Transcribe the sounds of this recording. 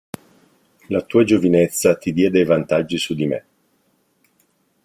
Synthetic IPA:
lat̪uːad͡ʒovinet̪sːat̪id̪jɛd̪ejvant̪ad͡ʒːisud̪imḛ

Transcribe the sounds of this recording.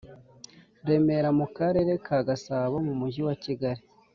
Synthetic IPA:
ɾe̞me̞ɾamukaɾe̞ɾe̞kʰaɡasaːβomumuɟiwaciɡaɾi

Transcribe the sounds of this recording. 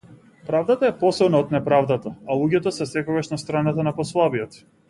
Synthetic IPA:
pɾavd̪at̪aɛpɔsɛbnaɔt̪nɛpɾavd̪at̪aalˠuɟɛt̪ɔsɛsɛkɔɡaʃnast̪ɾanat̪anapɔslˠabiɔt̪

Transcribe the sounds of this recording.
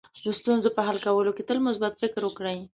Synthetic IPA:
d̪əst̪unzopəɦalkawəloket̪əlmʊsbat̪fɪkɾwəkɽəj

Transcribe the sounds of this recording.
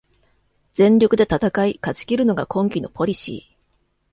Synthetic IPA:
d͡zẽ̞ɲɾʲo̞kɯ̟d̪e̞t̪at̪akaikat͡ɕi̥kʲiɾɯ̟no̞ɡakʰõ̞ŋkʲino̞pʰo̞ɾʲiɕḭː

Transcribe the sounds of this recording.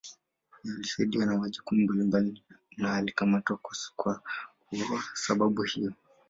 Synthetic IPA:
jalisaiɗiwanamaʄukumumbalimbalinaːlikamatwakaskwa | uasaɓaɓuhijɔ

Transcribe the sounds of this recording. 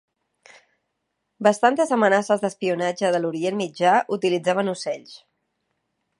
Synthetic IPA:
bəst̪ant̪əzəmənasəzðəspiunad͡ʒəðəluɾienmid͡ʒaʔut̪ilid͡zaβənusɛʎs

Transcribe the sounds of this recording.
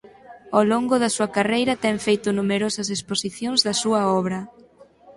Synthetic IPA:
oloŋɡʊðɐsuɐkarejɾɐt̪ɛŋfejt̪ʊnumeɾosɐs̬esposiθjoŋzðɐsuɐɔβ̞ɾɐ

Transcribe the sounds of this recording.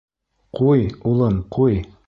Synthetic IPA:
qujulˠɤɴquj

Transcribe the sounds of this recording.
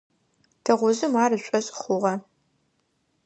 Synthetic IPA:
tʰɐʁʷʊzɨmaːrɨɕʷʼɔɕʼχʷʊʁɐ

